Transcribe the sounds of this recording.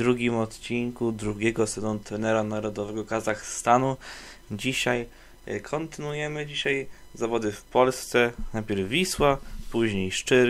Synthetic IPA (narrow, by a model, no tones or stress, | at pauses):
d̪ɾuɡʲimɔt̪t͡ɕiŋkud̪ɾuɡʲɛɡɔsɛzɔ̃nt̪ɾɛnɛɾanaɾɔd̪ɔvɛɡɔkazaxst̪anud͡ʑiɕaj | kʰɔnt̪ɘnujɛmɘd͡ʑiɕaj | zavɔd̪ɘfpɔlst̪sɛnajpʲɛɾvːʲiswapuʑɲejʂt͡ʂɘ